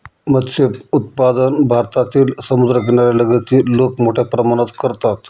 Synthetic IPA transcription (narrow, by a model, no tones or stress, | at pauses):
mət̪seut̪̚pad̪ənbʱaɾt̪at̪iːlsəmud̪ɾəɡeɳ̃aɾjaləɡət̪iːlokmoʈʰjapɾəmaɽ̃ət̪kəɾt̪at̪